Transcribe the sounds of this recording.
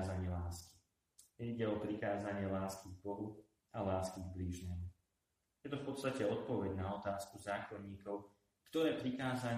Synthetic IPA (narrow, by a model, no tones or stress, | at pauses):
zaɲɪɛlaːski̥ | ɲɛiɟɛɔpɾikaːzaɲɪɛlaːskiɡbɔlu | alaːskiɡbliːʒɲɛmu | jɛt̪ɔfpɔt̪st̪acɛɔt̪̚pɔʋɛɟnaɔt̪aːskuzaːxɔɲiːkɔʊ | kt̪ɔɾɛːpɾikaːzaɲ